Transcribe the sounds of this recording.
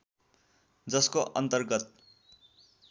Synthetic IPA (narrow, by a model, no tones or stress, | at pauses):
d͡zʌskoʔʌnt̪ʌrɡʌt̪̚